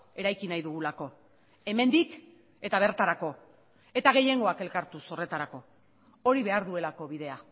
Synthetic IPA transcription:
e̞ɾajkinajðuɣ̞ulako̞ | e̞me̞nd̪ik | e̞t̪aβ̞e̞ɾt̪aɾako̞ | e̞t̪aɣ̞e̞je̞ŋɡo̞ake̞lkaɾt̪uso̞re̞t̪aɾako̞ | o̞ɾiβe̞aɾðue̞lako̞β̞iðe̞a

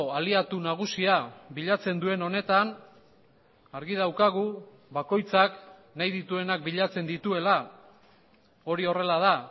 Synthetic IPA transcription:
aliat̪unaɣ̞usiaβbiʎat͡se̞nd̪ue̞no̞ne̞t̪an | aɾɣið̞awkaɣ̞u | βako̞jt͡saknajðit̪ue̞nak̚biʎat͡se̞nd̪it̪ue̞la | o̞ɾio̞re̞laða

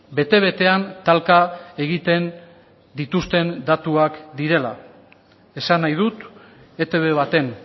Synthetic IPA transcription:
be̞t̪e̞β̞e̞t̪e̞ant̪alkae̞ɣit̪e̞n | d̪it̪ust̪e̞nd̪at̪uakd̪iɾe̞la | e̞sanːajð̞ut̪ | e̞t̪e̞βe̞β̞at̪e̞n

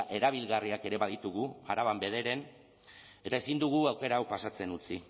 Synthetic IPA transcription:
ʔe̞ɾaβ̞ilɣariake̞ɾe̞βaðit̪uɣ̞uaɾaβambe̞ð̞e̞ɾe̞n | e̞t̪ae̞sind̪uɣ̞uawke̞ɾawpasat͡se̞nut͡si

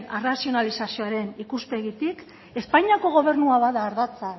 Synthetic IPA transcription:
nerasio̞nalisasioaɾe̞nikuspe̞ɣit̪ik | e̞spajɲiako̞ɣ̞o̞β̞e̞ɾnuaβaðaːɾðat͡sa

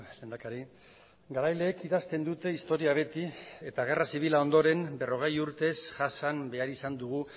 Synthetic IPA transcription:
le̞nd̪akaɾi | ɡaɾajle̞ːkiðast̪e̞nd̪ut̪e̞ist̪o̞ɾiaβ̞e̞t̪ie̞t̪aɣ̞e̞rasiβ̞ilao̞nd̪o̞ɾe̞mbe̞ro̞ɣ̞ejuɾt̪e̞sʝasambe̞aɾisand̪uɣu

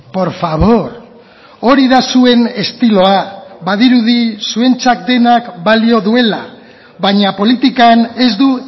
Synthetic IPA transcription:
po̞ɾfaβ̞o̞ɾ | o̞ɾiðasue̞ne̞st̪ilo̞aβaðiɾuðisue̞nt͡sak̚d̪e̞nakbalio̞ðue̞la | βaɲapo̞lit̪ikane̞zd̪u

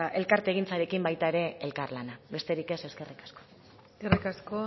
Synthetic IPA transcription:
e̞lkaɾt̪e̞ɣ̞int͡saɾe̞kimbajt̪ae̞ɾe̞elkarlanabe̞st̪e̞ɾike̞se̞ske̞rikḁsko̥ | skerikasko

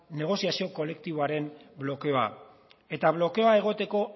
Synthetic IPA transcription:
ne̞ɣ̞o̞siasio̞ko̞le̞kt̪iβoaɾe̞mblo̞ke̞o̞a̰ | e̞t̪aβ̞lo̞ke̞o̞ae̞ɣ̞o̞t̪e̞ko̞

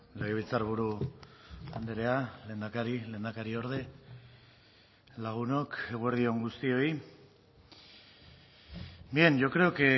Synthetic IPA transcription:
leɣeβilt͡saɾβuɾu | and̪eɾeale̞ːnd̪akaɾile̞ːnd̪akaɾio̞ɾðe̞ | laɣ̞uno̞ke̞ɣueɾðio̞ŋɡust̪io̞j | mienʝo̞kɾeoke

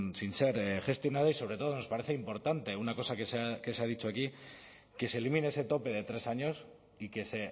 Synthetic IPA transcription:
sinse̞ɾxe̞st̪jo̞nað̞aisoβɾe̞t̪o̞ð̞o̞no̞spaɾe̞θe̞impo̞ɾt̪ant̪e̞unako̞sakesake̞seaðit͡ʃoaki | ke̞se̞ːlimineeset̪o̞pe̞ð̞e̞t̪ɾe̞saɲo̞s | ike̞se̞

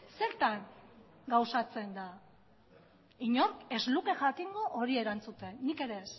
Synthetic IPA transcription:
se̞ɾt̪aŋ | ɡawsat͡se̞nd̪a | iɲo̞ɾke̞zluke̞ʝakiŋɡoʔoɾie̞ɾant͡sut̪e̞nːike̞ɾe̞s

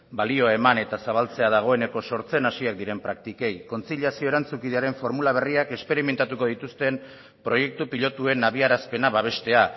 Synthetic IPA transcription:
balio̞e̞mane̞t̪asaβ̞alt͡se̞að̞aɣ̞o̞e̞neko̞so̞ɾt͡se̞nasiak̚d̪iɾe̞mpɾak̚t̪ike̞jko̞nt͡siʎasio̞e̞ɾant͡sukiðeaɾe̞ɱfo̞ɾmulaβ̞e̞riake̞spe̞ɾime̞nt̪at̪uko̞ðit̪ust̪e̞m | pɾo̞je̞k̚t̪upiʎo̞t̪ue̞naβiaɾaspe̞naβaβ̞e̞st̪e̞a

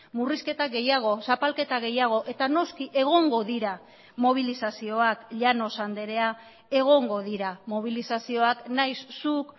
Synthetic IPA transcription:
muriske̞t̪aɡe̞jaɣ̞o̞sapalke̞t̪aɣ̞e̞jaɣ̞o̞ʔe̞t̪ano̞skiʔe̞ɣ̞o̞ŋɡo̞ðiɾa | mo̞β̞ilisasio̞akʎano̞sand̪e̞ɾe̞a | e̞ɣ̞o̞ŋɡo̞ðiɾamo̞β̞ilisasio̞aknajsːuk

